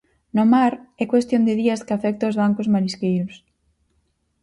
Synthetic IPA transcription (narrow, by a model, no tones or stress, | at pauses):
nomaɾɛkwest̪jõnd̪ɪðiɐskafɛk̚t̪aozβaŋkozmaɾiskejɾʊs